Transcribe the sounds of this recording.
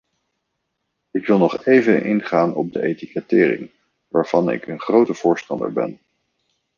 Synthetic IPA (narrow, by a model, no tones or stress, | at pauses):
ɪkʋɪlˠnɔχejvənʔɪ̰nχaːnɔ̰b̚dəejtikɛtɪːrɪ̰ŋ | ʋaːɹv̥ɑnɪ̰kənχrowtəv̥ʊːɹstɑndə̰ɹbɛ̰n